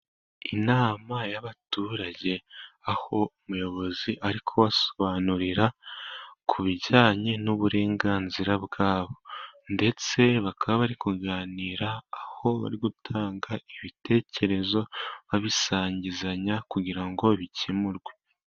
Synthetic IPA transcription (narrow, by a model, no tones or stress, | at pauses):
inaːmajaβatuːɾaɟe̞aho̞umujo̞βo̞ziʔaɾikʰo̞wasoβaːnuɾiɾa | kʰuβiɟaːɲe̞nuβuɾe̞ːŋɡaːnziɾaβɡaːβo̞nde̞t͡se̞βakaβaβaɾikuɡaːniːɾaːho̞βa̰ɾiɡutʰaːŋɡaiβite̞ːce̞ɾe̞zo̞βaβisaːɲɟizaɲakuɟiɾaŋɡo̞βicimuɾɡwe